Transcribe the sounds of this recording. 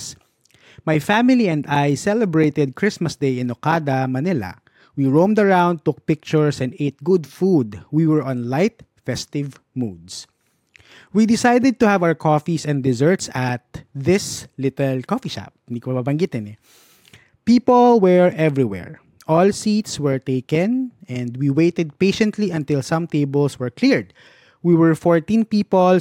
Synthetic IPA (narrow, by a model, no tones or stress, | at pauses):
s | majfæmɪliɛ̃nd̪ajsɛlɛbɹet̪ɛd̪̚kɹɪsmɐsd̪ejɪ̃nokad̪ɐmɐnɪlɐ̰ | wiɹõmd̪ɐɹãw̃nd̪̚t̪ʊk̚pɪk̚t͡ʃʊɹsɛnd̪ʔet̪̚ɡʊd̪fud̪wiwɛɹʔɔ̃nlajt̪̚fɛst̪ɪv | mud̪s | wid̪ɪsajd̪ɛd̪̚t̪ʊhavawəɹkʰɔfisɛ̃nd̪ɪzɛɹt̪sɐt̪̚ðɪslɪt̪ɛlkɔfiʃa̰p̚ɪnd̪ikomɐpabɐŋɡit̪ɪ̃nɛ | piːpɔlwɛɹʔɛvɹiwɛ̰ɹ | ʔɔlsit̪swɛɹt̪eɪkɛ̃nɛ̃nd̪wiwejt̪ɛd̪̚peʃɛ̃nt̪liɐ̃nt̪ɪlsɐ̃mt̪eɪbəlswɛɹkliɹd̪̚ | wiwɛɹfɔɹt̪ĩnpiːpɔl